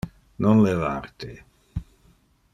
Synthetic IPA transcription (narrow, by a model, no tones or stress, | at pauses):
nɔnleva̰rt̪e